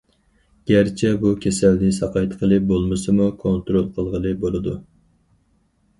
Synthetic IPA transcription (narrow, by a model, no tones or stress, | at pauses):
ɡ̥ʲæɾt͡ʃʰɛbukʲʰesælnɪsɑqʰɑjt̪qʰəlˠɨbolˠmɨsɨmukʰont̪ɾolˠqʰəlˠʁəlˠɨbolˠɨd̪u